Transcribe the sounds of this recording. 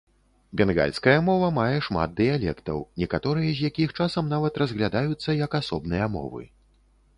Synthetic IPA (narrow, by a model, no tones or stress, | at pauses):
bʲɛnɣa̰lʲskɐjɐmɔvɐmajɛʂma̰d̪̚d̪ɨjalʲɛ̰kt̪ɐ̰wnʲɛkat̪ɔɾɨjɐzʲjakʲixt͡ʂasɐmnavɐt̪rɐzɣlʲad̪ajut̪sːɐjɐkasɔbnɨjɐmɔ̰vɨ̰